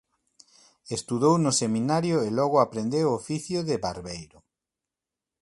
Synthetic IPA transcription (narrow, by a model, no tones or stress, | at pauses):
est̪uðownʊsemĩnaɾjoelɔɣʊapɾend̪ewofiθjʊðeβaɾβejɾʊ